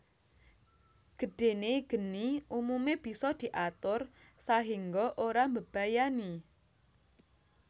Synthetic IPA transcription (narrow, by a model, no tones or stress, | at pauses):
ɡ̥əɖ̥e̤neɡ̥ə̤niʔumumeb̥i̤sɔd̪̥i̤ʔat̪ʊrsaɦiŋɡɔʔoɾambəb̥ajani